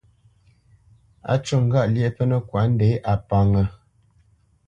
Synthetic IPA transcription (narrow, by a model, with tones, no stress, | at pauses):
a̰˦t͡ʃu˦˨ŋ̩˨ɡa˦˨ʔlje˦pə˦nə˦˨kwa˨˦n̩˦de˨˦ʔa˨pa˨ŋə˨